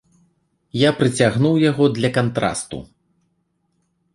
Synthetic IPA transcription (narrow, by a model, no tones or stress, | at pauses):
japɾɨt͡sʲaɣnuwjaɣɔd̪lʲɐkant̪ɾa̰st̪ṵ